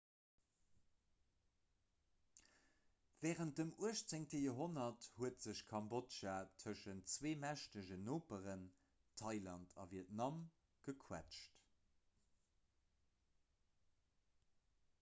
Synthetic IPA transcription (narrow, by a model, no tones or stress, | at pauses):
vɛːʁənt̚dəmuəʃt͡seŋtəjoɦonɐthuətz̥əɕkʰɑmbotʃatʰəʃəntt͡sweːmæʃtəʑənoːpəʁən | tʰɑɪlɑntʰɑ̰viətnɑm | ɡ̥əkʰwæ̰t͡ʃt